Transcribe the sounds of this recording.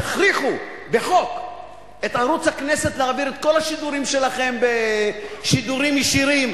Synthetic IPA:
aχɾiχu | be̞χo̞k | e̞t̪aɾut͡shakne̞se̞t̪leabiɾet̪̚ko̞lhaʃid̪uɾimʃe̞laχe̞mbeʃid̪uʁimjiʃiɾim

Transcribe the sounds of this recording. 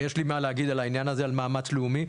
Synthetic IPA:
jeʃlimaleaɡid̪alainjanazealmaːmat͡sleumi

